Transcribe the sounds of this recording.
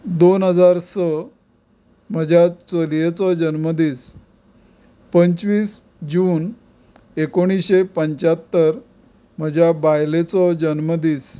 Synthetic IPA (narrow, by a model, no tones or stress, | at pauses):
d̪onɦəd͡zaɾsə | m̤əd͡ʑʱjat͡səlijet͡sɔd͡ʑənməd̪iːs | pəɲt͡sʋiːs | d͡ʑuːn | ekoɽ̃isɕepəɲt͡ɕat̪ːəɾ | m̤əd͡ʑʱjabajlet͡sɔd͡ʑənməd̪iːs